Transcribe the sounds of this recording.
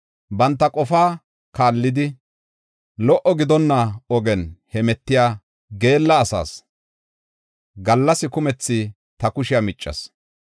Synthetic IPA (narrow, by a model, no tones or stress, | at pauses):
bɐnt̪ːɐkʼɔfaː | kaːlːɪd̪ɪ | lɔʔɔɡɪd̪ɔnːɐɔɡɛnhɛmɛt̪ːɪjaː | ɡe̞ːlːɐːsa̰ːs | ɡɐlːɐsɪkʊmɛt͡sːɪ | t̪ɐkʊʃɪjamɪt͡ʃʼːɐ̰s